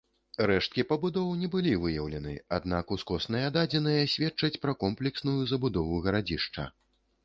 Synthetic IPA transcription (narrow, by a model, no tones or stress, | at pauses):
ɾɛʂt̪̚kʲipɐbud̪ɔwnʲɛbɨlʲivɨjɐwlʲɛnɨ̰ad̪̚nakuskɔsnɐjɐd̪ad͡zʲɛnɨjɐsʲvʲɛtt͡ʂɐt͡sʲpɾɐkɔmplʲɛksnujuzɐbud̪ɔvuɣɐɾad͡zʲiʂt͡ʂɐ̰